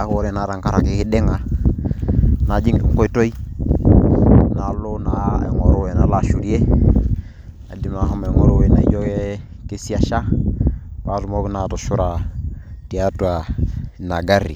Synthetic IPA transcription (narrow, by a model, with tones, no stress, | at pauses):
a˦ko˦ɾe˦˨na˨ɾa˨ŋka˦ɾa̰˨ki˦ki˦de˦ŋa˨ | na˨˦d͡ʒi˦ŋ̰˨ko˦i˦to˦i˦ | na˨˦lo˦na˨˦˨ŋɔ˨ɾo˦we˨na˨la˦ʃu˨ɾi˦e˦ | a̰˨di˨ma˨ha˦ma˨ŋo˦ɾo˦we˨na˨i˦d͡ʒo˦ke˦ | ke˦si˦a˨ʃa˦ | pa˦tu˦mo˦ki˦na˨tɔ˨ʃu˦ɾa˨ti˨a˦tu˦a˨na˨ɡa˦ɾḭ˨